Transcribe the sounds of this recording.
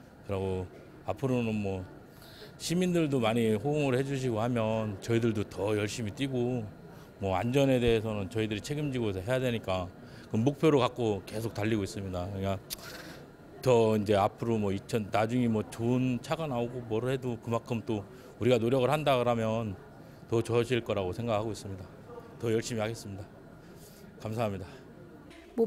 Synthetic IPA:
kɯɾaɡo | apʰɯɾonɯnmwʌ | ɕʰimindɯɭdomaɲiɸooŋɯɾhe̞d͡ʑuɕ̬ʰiɡohamjʌnt͡ɕʌidɯɭdotʌjʌɭɕ͈imit͈iɡo | mwʌa̰nd͡ʑʌne̞de̞esʰʌnɯnt͡ɕʌidɯɾit͡ɕʰe̞ɡɯmd͡ʑiɡosʰʌɦe̞jadwe̞ɲik͈a | kɯnmuk̚pʰjoɾokak̚k͈oke̞sʰok̚taʎːiɡois͈ɯmɲidakɯk͈a | tʌind͡ʑe̞apʰɯɾomwʌit͡ɕʰʌnːad͡ʑuŋimwʌt͡ɕont͡ɕʰaɡanaoɡomʌɾɯɭhe̞dokɯmaŋkʰɯmt͈o | uɾiɡanoɾjʌɡɯɭhandakɯɾamjʌn | tʌt͡ɕoʌd͡ʑiɭk͈ʌɾaɡosʰe̞ŋɡak̚ʰaɡois͈ɯmɲida | tʌjʌɭɕ͈imihaɡe̞s͈ɯmɲida | kamsʰaɦamɲida

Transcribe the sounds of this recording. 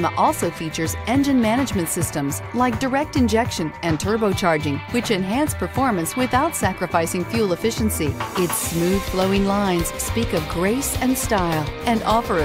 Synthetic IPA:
məʔɔlˠsoʊfit͡ʃə˞zɛ̃nd͡ʒɨ̃nmænɨd͡ʒmɨ̃ntsɪstə̃mzlaɪk̚d̥ə˞ɛk̚tɨ̃nd͡ʒɛkʃɨ̃nɨ̃ntʰɜ˞boʊt͡ʃʰɑɹd͡ʒɪ̃ŋwɨt͡ʃɨ̃nɦæ̃nspʰə˞fɔɹmɨ̃nswɪθaʊtsækɹɨfaɪsɪ̃ŋfjʉlˠəfɪʃn̩siɪtsmʉð̥floʊɪ̃ŋlãɪ̃nz̥spikʌvɡɹeɪsɨ̃nstaɪlˠʔɨ̃nɔfə˞

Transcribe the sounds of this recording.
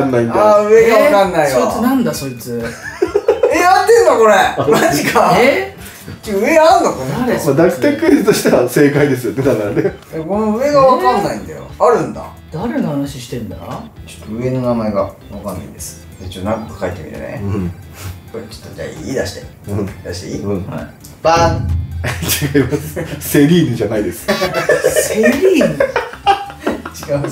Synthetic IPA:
nːaĩnd̪aɯ̟eɡaβakãnːaijaiɨnãnd̪aso̞it͡sɨ | ead̪eɯkako̞ɾemat͡ɕikae | kʲiɯ̟e̞aɾɯ̃nokoɾaemad̪aki̥t̪ekɯiɨt̪o̞ɕi̥t̪eβase̞ːkaid̪e̞s̬ɨjo̞ned̪anaɾd̪ejakonoɯ̟e̞ɡaβakãnːaĩnd̪ajo̰aɾɯ̟̃nd̪a̰ | d̪̥aɾenohanaɕiɕi̥t̪eɯ̟̃nd̪a̰at͡ɕo̥t̪ːoɯ̟e̞no̞namae̞ɡa | βakãnːa̰ḭ̃d̪e̞sɨ̥ | it͡ɕonãŋkokɯ̥kait̪ːe̞mʲḭɾɯ̰nḛɯ̃ | kot͡ɕo̥t̪ːod͡ʑa̰iiːd̪aɕi̥t̪eɯ̟̃d̪aɕi̥t̪eiɯ̃ha̰ | b̥a | t͡ɕiɡaimasɨ̥se̞ɾʲiːnɯd͡ʑanaid̪e̞sɨ̥ | seɾʲi | t͡ɕiɡam

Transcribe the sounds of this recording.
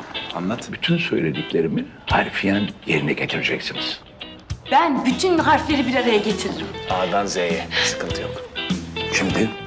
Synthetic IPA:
a̰nlˠat̪ʰɯbyt̪ʰynsø̞̰jlʲe̞d̪icʰʲlʲe̞ɾimihaɾfijænje̞ɾinɛɟet̪ʰiɾid͡ʒɛcsiniz̥ | b̥ænbyt̪ʰynɦaɾflʲe̞ɾibiɾaɾajaɟet͡ʃʰiɾiɾimad̪anzejɛsɯ̥kʰɯnt̪ʰɯjo̰k | ʃimd̪i

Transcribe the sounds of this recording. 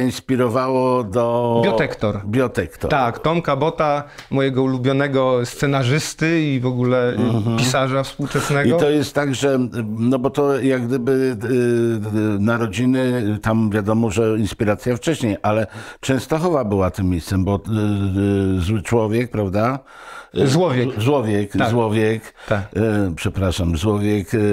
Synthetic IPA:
inspʲiɾɔvawɔd̪ɔbjɔt̪ɛkt̪ɔɾbʲjɔt̪ɛkt̪ɔ̰t̪akt̪ɔmkabɔt̪a | mɔjɛɡɔulubʲjɔnɛɡɔst̪sɛnaʐɘst̪ɘivɔɡulɛpʲisaʐafspuwt͡ʂɛsnɛiɔt̪ɔjɛst̪ːaɡʐɛnɔbɔt̪ɔjaɡd̪ɘbɘ | naɾɔd͡ʑinɘt̪amvʲjad̪ɔmɔʐɛinspʲiɾat̪sʲjaft͡ʂɛɕɲejʔalɛt͡ʂɛ̃w̃st̪ɔxɔvabɘwat̪ɘmʲːejst̪sɛmbɔ | zwɘt͡ʂwɔvʲjɛk̚pɾavd̪a | zwɔvʲjɛzwɔvʲjɛk̪azwɔvʲjɛk̪apʂɛpɾaʂamzwɔvʲjɛk

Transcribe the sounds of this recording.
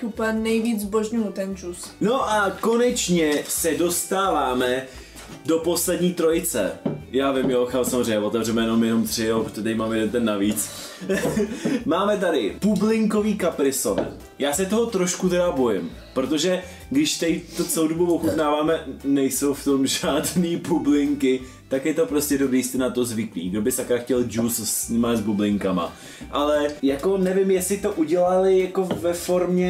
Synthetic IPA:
t̪upanɛjviːd͡zzboʒɲujut̪ɛnd͡ʒus | no̞ʔako̞nɛt͡ʃɲɛsɛdo̞st̪aːvaːmɛ | do̞po̞slɛdɲiːt̪ɾo̞jɪt͡sɛ̰jaːvɪmjoxalsamozrejɲɛvo̞t̪ɛvrɛmɛjɛno̞mjɛno̞mt̪r̥ɪjopɾot̪oɛt̪adɪmaːmɛjɛdɛnt̪ɛnːaviːt͡s | maːmɛt̪̬adɪpublɪŋko̞viːkapɾɪso̰n̰ | jaːsɛt̪oɦot̪ɾoʃkut̪ɛdabo̞jɪm | pɾot̪o̞ʒɛ | ɡdɪʃt̪ajit̪ot͡sɛlowdobuvoxut̪naːvaːmɛnɛjso̞wft̪o̞mʒaːdniːpublɪŋkɪ | t̪akjɛt̪o̞pɾo̞scɛdobɾiːjst̪ɛnat̪o̞zvɪklḭːɡdobɪsakɾaxcɛld͡ʒussɲimazbublɪŋkama̰ | ʔalɛjako̞nɛvɪmjɛsɪt̪o̞ʔuɟɛlalɪjako̞vɛfo̞ɾmɲɛ

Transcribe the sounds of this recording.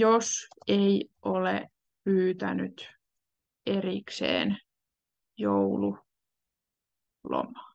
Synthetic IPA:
joseiʔolḛ | pyːt̪ænyt̪ | eriksḛːn | joulu | lo̰mɑ̥ː

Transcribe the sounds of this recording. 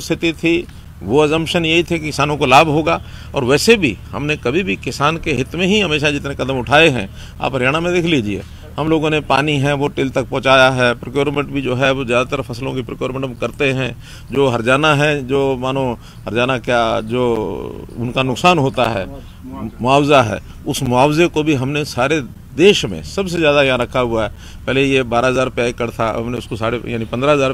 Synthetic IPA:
st̪ʰɪt̪it̪ʰi | ʋoɛzə̃mpʃənjɐɦit̪ʰekiɪsaːnõkolaːbʱɦoːɡaːɔ̰ːɾʋɛːsebʱḭhɐ̰mnekɐbʱibʱikɪsaːnkeɦɪt̪mẽɦiɦɐmeːʃad͡ʒɪt̪nekɐd̪əmʊʈʰaːeɦɛ̃ | a̰ːpɦɐɾjaːɽ̃amẽd̪ɪkʰliːd͡ʒiḛː | hɐmloːɡõnepa̰ːniɦɛ̃ʋoʈɪlt̪ɐk̚pɔ̃ːt͡ʃaːjaɦɛːpɾəkjoːɾmẽɳʈbʱid͡ʒoːɦɛozjaːd̪at̪əɾfʰɐslõkipɾəkjoːɾmẽɳʈmkɐɾt̪eɦɛ̃ | d͡ʒoːɦɐɾd͡ʒaːnaɦɛ̃d͡ʒoːmaːnõ | ɦɐɾd͡ʒaːnakjad͡ʒoːʊnkanʊksaːnɦoːt̪a̰ɦɛ̰ː | mʊaːwzaɦɛ̰ː | ʊsmʊaːwzekobʱiɦɐmnesaːɾe | d̪eːʃmḛ̃sɐbsezjaːd̪ajɐɦãɾɐkʰaɦʊaɦɛ | pɛɦːlejebaːɾaɦəzaːɾpɛːkɐɾt̪ʰaɐ̰mneʊskosaːɽeja̰ːnipɐ̃nd̪ɾaɦəzaːɾ

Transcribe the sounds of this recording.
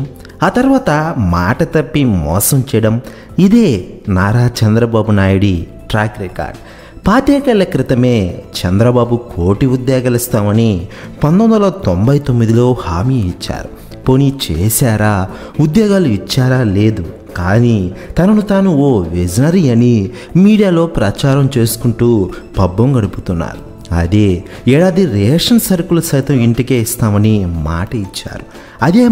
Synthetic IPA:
aːt̪ɐɾʋaːt̪ɐma̰ːʈɐt̪ɐpːimɔ̰ːsɐmt͡ʃɛːjɐɽɐm | id̪e̞ːnaːɾaːt͡ʃɐnd̪ɾɐbaːbunaːjuɽi | ʈɾaːkɾika̰ːɾɖ | paːt̪jɛːkɐlːɐkɾit̪ɐme̞ːt͡ʃɛnd̪ɾɐbaːbukʰoːʈiud̪jaːɡɐːlist̪aːmɐnipɐnd̪ond̪ɐlɐt̪o̞mbɐjt̪o̞mːid̪ilo̞ːhaːmiːit͡ʃːa̰ːɾu | ponit͡ʃeːsaːɾaː | ud̪jaːɡaːluit͡ʃːaːɾaːle̞ːd̪u | kaːnit̪ɐnɐnut̪aːnuoːʋed͡ʒɐnɐɾiɐni | miːɽijaːlo̞ːpɾɐt͡ʃaːɾɐmt͡ʃe̞ːsu̥kuɳʈuːbɐbːɐmɡɐɽuput̪unːa̰ːɾu | ɐ̰d̪eː | ɛːɽaːd̪iɾɛːʂɐnsɐɾkulɐsɐjt̪ɐmiɳʈikeːist̪aːmɐnima̰ːʈɐit͡ʃːa̰ːɾu | ɐd̪eː

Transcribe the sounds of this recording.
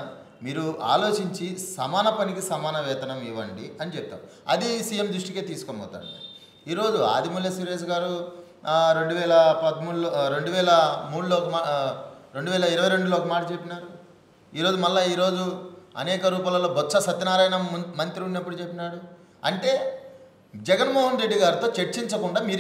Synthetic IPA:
miːɾua̰ːlo̞ːt͡ʃiɲt͡ʃisɐmaːnɐpɐnikisɐmaːnɐʋɛːt̪ɐnɐmiʋɐ̰ɳɖḭɐnit͡ʃɛpt̪ːa̰ːm | ɐ̰d̪isiːjemd̪ɾuʂʈike̞ːt̪iːsu̥komɐ̰ːt̪a̰ːɳɖii | iːɾo̞ːd͡ʒua̰ːd̪imuljɐsiɾeːs̬ɐɡaːɾu | ɾe̞ɳɖuʋɛːlɐpɐd̪muɽuloɾe̞ɳɖuʋɛːlɐmuːɽuloːkɐmaːɾe̞ɳɖuʋɛːlɐiɾɐʋɐjɾe̞ɳɖuloːɔkɐmaːʈɐt͡ʃepːinaːɾu | iːɾo̞ːd͡ʒumɐlːaiːɾo̞ːd͡ʒuɐ̰nɛːkɐɾuːpaːlɐlːoːbʱɔtːsɐsɐt̪ːɐnaːɾaːjɐnɐmɐnt̪ɾiunnɐpːuɽut͡ʃe̞pːinaːɽu | ɐ̰ɳʈe̞ː | d͡ʒɛɡɐnmoːɦɐnɾe̞ɖːiɡaːɾit̪o̞ːt͡ʃeɾt͡ʃiɲt͡ʃɐkuɳɖaːmiːɾ

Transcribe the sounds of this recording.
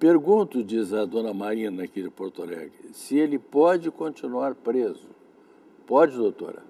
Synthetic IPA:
peɾɡũnt̪ʊd͡ʒizɐd̪õnɐmaɾĩnɐkid͡ʒɪpoɾt̪olɛ̰ɡɾɪ̰sɪelɪpɔd͡ʒɪkõt͡ʃinuaɾpɾezʊ | pɔd͡ʒɪd̪owt̪o̰ɾɐ̰

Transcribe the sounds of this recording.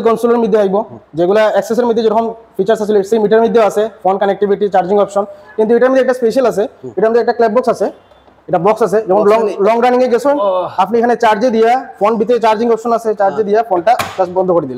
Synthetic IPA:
kɔnsuleɾmɾid̪ʱːeajbod͡ʑeɡulaɛkses̬eɾmid̪ʱːed͡ʑeɾɔkʰomfit͡ɕaɾsat͡ɕʰiloesemiʈaɾmid̪ʱːeoasʰefonkanek̚ʈibʱiʈit͡ɕaɾd͡ʑiŋɔpʃɔnkint̪uejʈaɾmid̪ʱeɛkʈaspeʃialat͡ɕʰeeʈamnd̪eɛk̚ʈaklɛb̚bɔksat͡ɕʰe | eʈabɔksasʰed͡ʑɔkʰonlɔlɔŋɡɾaniŋeɡet͡ɕʰunapniekʰanet͡ɕaɾd͡ʑed̪ijafonbit̪̬et͡ɕaɾd͡ʑiŋɔpʃɔnat͡ɕʰet͡ɕaɾd͡ʑed̪ijafonʈakasbɔnd̪ʱokoɾid̪ile

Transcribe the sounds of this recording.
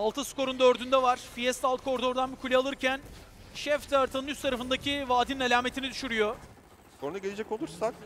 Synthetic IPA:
alˠt̪ʰɯskʰo̞ɾund̪øɾd̪ynd̪ɛvaɾ̥fijɛst̪ʲalt̪kʰo̞ɾd̪o̞ɾd̪anbikʰulʲɛalˠɯɾcʰæn | ʃɛft̪ʰɛaɾt̪ʰɯnɯnyst̪ʰaɾafɯnd̪acʰivaːd̪ininelʲaːme̞t̪ʰinid̪yʃyɾyjo̞ | skʰoɾunaɟeed͡ʒɛco̞lˠuɾsak

